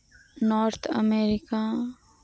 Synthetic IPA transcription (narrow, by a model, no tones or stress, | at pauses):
nɔːɾt̪ʰə̰meːɾɪka